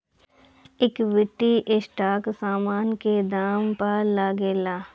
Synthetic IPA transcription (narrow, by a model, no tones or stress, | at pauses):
ɪkʋɪʈːiʔɪsʈaːksaːmaːnked̪aːmpaɾlaɡeːlaː